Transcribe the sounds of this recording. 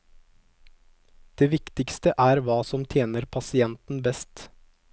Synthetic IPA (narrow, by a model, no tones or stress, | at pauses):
d̪̥eːʋɪkt̪ɪkst̪əʔæːɾʋɑːsɔmt̪ʰjeːnəɾpʰɑsɪɛnt̪n̩bɛst̪